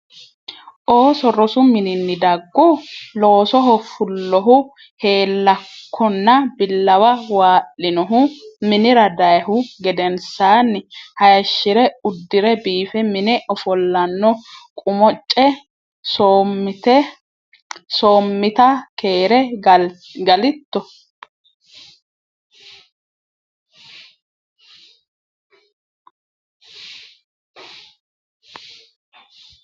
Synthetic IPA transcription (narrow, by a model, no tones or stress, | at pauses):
ʔoːsɔrɔsʊmɪnɪnːɪd̪ɐɡːɔlo̞ːsɔɦɔfʊlːɔɦʊ | he̞ːlːɐkʰːɔnːɐbɪlːɐwɐwaːʔːɪnɔɦʊmɪnɪɾɐd̪ɐjhʊɡɛd̪ɛnsaːnːɪhɐjɐʃːɪɾɛʊd̪ːɪɾɛbiːfɛmɪnɛʔɔfɔlːɐnːɔkʼʊmɔt͡ʃʼːɛ | sot̪ɛ | soːmːɪt̪ɐke̞ːɾɛ | ɡɐlɪt̪ːɔ